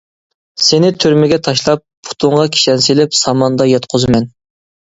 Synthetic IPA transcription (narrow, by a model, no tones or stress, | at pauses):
senɪt̪ʰyɾmɪɡʲɛt̪ʰɑʃlˠɑp̚ːʰʊ̥t̪ʰʊɴʁɑkʲʰi̥ʃɛnselɪpsɑmɑnd̪ɑjɛt̪qʰozɨmɛn